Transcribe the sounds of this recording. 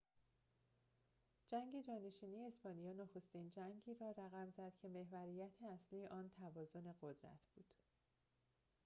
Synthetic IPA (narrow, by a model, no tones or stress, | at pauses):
d͡ʒæŋɡe̞d͡ʒɒːneʃiːnijeːspɒːnijɒːnoxost̪iːnd͡ʒæŋɟiːɾɒːɾæɣæmzæd̪̥cʰe̞me̞hvæɾijæt̪ʰeæsliːjeʔɒːnt̪ʰævɒːzo̞ne̞ɢod̪ɾæ̰t̪ʰb̥uːd̪̥